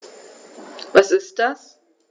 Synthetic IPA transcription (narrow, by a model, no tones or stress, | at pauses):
vasɪst̚d̥as